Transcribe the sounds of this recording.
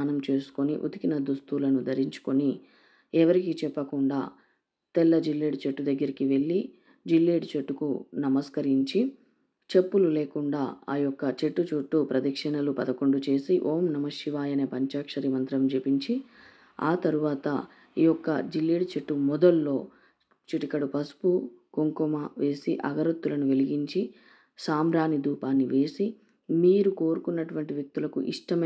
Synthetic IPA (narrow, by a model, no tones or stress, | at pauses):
aːnɐmt͡ʃe̞ːsu̥koniʔṵd̪ikinɐd̪ust̪ulɐnud̪ʱɐɾiɲt͡ʃu̥koni | ɛʋɐɾikit͡ʃɛpːɐkuɳɖa̰ː | t̪ɛlːɐd͡ʒilːeːɽt͡ʃeʈːud̪ɐɡːɐɾikiʋe̞ɭːi | d͡ʒilːeːɽt͡ʃeʈːukṵnɐmɐskɐɾiɲt͡ʃi | t͡ʃe̞pːulule̞ːkuɳɖaːaːjɔkːɐt͡ʃe̞ʈːut͡ʃuʈːupɾɐd̪ɐkʂɐnɐlupɐd̪ɐko̞ɳɖut͡ʃe̞ːsiʔoːmnɐmɐʂiʋaːjɐneːpɐɲt͡ʃaːkʂɐɾimɐnt̪ɾɐmd͡ʒepiɲt͡ʃi | a̰ːt̪ɐɾuʋaːt̪ɐ̰ | iːjɔkːɐd͡ʒilːiɽt͡ʃe̞ʈːumɔd̪ɐlːo̞ː | t͡ʃiʈikɐɽupɐsu̥pukoŋkumɐʋe̞ːsiʔɐ̰ɡɐɾɐt̪ːulɐnuʋeliɡiɲt͡ʃi | saːmɾaːnid̪uːpaːnːiʋeːsi | miːɾuko̞ːɾukunːɐʈuʋɐɳʈiʋjɐk̚t̪ulɐkṵʔḭʂʈɐmɐ